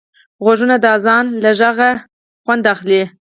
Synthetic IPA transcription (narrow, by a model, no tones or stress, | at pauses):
ɣwaʒunad̪əɑzɑnlaʒaɣa | xwand̪axli